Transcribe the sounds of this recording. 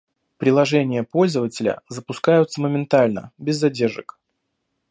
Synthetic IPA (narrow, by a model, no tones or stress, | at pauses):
pɾʲɪlˠɐʐɛnʲɪjəpo̞lʲzəvətʲɪlʲə̰zəpʊskajʊt̪səməmʲɪnt̪alʲnə̰bʲɪzːɐdʲerʐɨ̰k